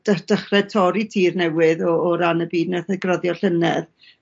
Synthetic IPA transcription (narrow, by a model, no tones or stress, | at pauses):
d̥əd̥əχrɛtʰɔɾitʰiːrnɛwɨðɔːɾanəbiːdnaθɛɡrɔðjɔɬənɛð